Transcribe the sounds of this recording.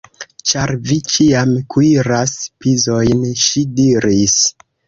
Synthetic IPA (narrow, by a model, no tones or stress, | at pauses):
t͡ʃaɾvit͡ʃiamkʰuiɾaspizo̞jnʃidiɾis